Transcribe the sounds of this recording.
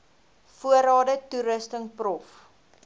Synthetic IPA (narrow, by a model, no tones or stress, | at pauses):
fuəɾɑːdətuɾəstəŋprɔf